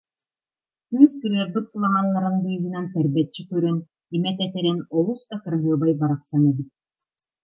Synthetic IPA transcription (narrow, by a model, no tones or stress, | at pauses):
kyskɯɾɯəɾbɯt̪̚kɯlˠaɦalˠːaɾɯnbɯjbɯnant̪ɛɾbɛt͡ɕːik̪yɾœn | imɛt̪ɛt̪ɛɾɛnɔlˠusd̪akɯɾaɦɯɐbajbaɾaqsanɛbit̪̚